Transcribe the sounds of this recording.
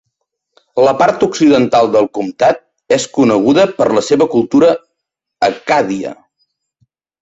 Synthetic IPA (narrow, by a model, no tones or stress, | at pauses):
ləpaɾt̪uksiðənt̪alˠd̪əlˠkumt̪at̪̚ | eskunəɣ̞uðəpəɾləseβəkulˠt̪uɾəː | kaðiə̰